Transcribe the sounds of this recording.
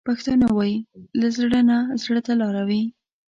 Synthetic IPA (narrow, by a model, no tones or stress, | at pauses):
paxt̪anawɑjilazɽənazɽət̪alɑɾawi